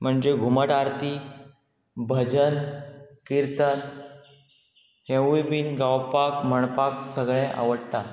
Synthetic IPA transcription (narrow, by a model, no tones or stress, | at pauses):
m̤əɳd͡ʑeɡʱuməʈaɾt̪i | bʱəd͡ʑənkiɾt̪ən | hẽwibiːnɡawpakm̤əɳpaksəɡɭɛ̃ʔa̰ʋəɽt̪a